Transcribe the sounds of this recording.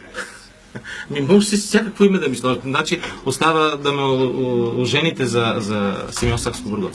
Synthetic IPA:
mimɔɡsissʲjakəkvoimɛd̪ɐmislˠɔʒət̪nat͡ʃiost̪avəd̪ɐmɛooʒɛnit̪ɛzɐzɐsɛmʲiɔnsakskobəɾɡɔ

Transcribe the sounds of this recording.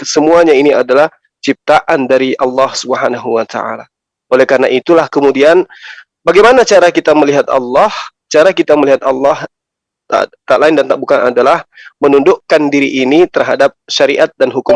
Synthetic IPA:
səmuaɲainiadalah | t͡ʃip̚t̪aʔandaɾiʔɑlːɑhsubɦanaɦuwat̪a̰ʔa̰la | olɛhkarnaʔit̪ulahkəmudian | baɡajmanat͡ʃaɾakit̪aməliɦat̪ɑ̰lːɑh | t͡ʃaɾakit̪aməliɦat̪ɑlːɑh | t̪a̰t̪alaɪndant̪aʔ̚bukanadalahmənundʊʔkandiɾiʔːnit̪ərɦadap̚ʃaɾiʔat̪̚danɦukʊm

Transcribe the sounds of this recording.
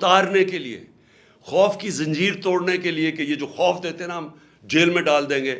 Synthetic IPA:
t̪aːɾnekeliḛ | xɔːfkizɐ̃ɲd͡ʒiːɾt̪oːɽnekeliekejed͡ʒoːxɔːfd̪eːt̪eɦɛ̃naɦɐm | d͡ʒeːlmẽɖaːld̪ẽːŋɡeː

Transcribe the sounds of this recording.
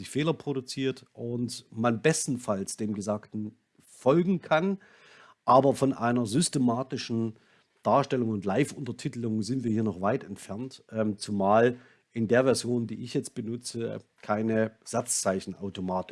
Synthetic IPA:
ɪçfeːlɐpʁ̥oɾʊt͡siːɐtʔʊntmanbɛstn̩falsd̥eːmɡəzaːktn̩ | fɔlɡŋ̩kʰan | ʔaːbɐfɔnʔa̰ɪnɐzʏstemaːtɪʃn̩ | d̥aːɐʃtɛlʊŋʊntlaɪfʔʊntɐtʰɪtəlʊŋzɪntv̥iːɐhiːɐnɔχv̥aɪtɛntfɛɐntʔɛːmt͡sumaːl | ʔɪndeːɐvɛɐzjoːndiːɪçjɛt͡st̚b̥ənʊt͡səkʰaɪnəz̥at͡st͡saɪçn̩ʔaʊtomaːtɪ̥

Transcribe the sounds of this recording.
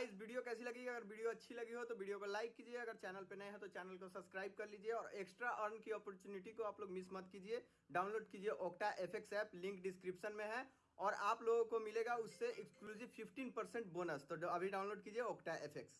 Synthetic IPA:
aɪsbiːɖijokɛːsilɐɡiiɐɡəɾʋiːɖijoɐtːʃʰilɐɡiɦot̪oʋiːɖijokolaːɪkːiːd͡ʒieɐɡəɾt͡ʃɛːnəlpenəẽɦɛ̃t̪ot͡ʃɛːnəlkosɐbskɾaːɪb̚kɐɾliːd͡ʒieɔːɾeksʈɾaʔɐɾnkiɔːpəɾt͡ʃuːnɪʈikoaːploːɡmɪsmɐt̪kiːd͡ʒie | ɖaːʊ̃nloːɖkiːd͡ʒieʔɔːkʈaʔepʰeksɛːplɪ̃ŋkɖɪskɾɪpʃənmẽɦɛ̃ | ɔːɾaːploːɡõkomɪleɡaʊsːeʔekskluːziʋpʰɪpʰʈiːnpɐɾsẽɳʈ̚boːnəst̪oɐbʱiɖaːʊ̃nloːɖkiːd͡ʒieoːkʈaʔepʰeks

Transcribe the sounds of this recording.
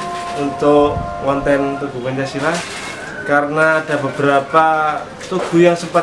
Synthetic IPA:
unt̪ʊʔŋɔnt̪ɛnnt̪uɡ̥ṳkaɲt͡ʃasilah | kaɾənaːd̥a̤bə̤bəɾapa | t̪uɡ̥ṳjaŋsəpa

